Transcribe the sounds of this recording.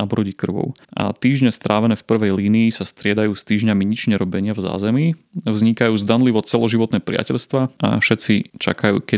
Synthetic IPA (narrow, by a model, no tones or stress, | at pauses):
abɾɔɟikr̩ʋɔ̰ʊʔa̰t̪iːʒɲɛst̪ɾʔaːʋɛnɛːfpr̩ʋɛjliːniːsast̪ɾɪɛd̪ajuːst̪iːʒɲamiɲit͡ʃɲɛɾɔbɛɲɪavza̰ːzɛmi | vzɲikajuːzd̪anliʋɔt͡sɛlɔʒiʋɔt̪nɛːpɾɪa̰cɛʎst̪ʋaʔa̰fʃɛt̪t͡sit͡ʃa̰kajṵːkɛ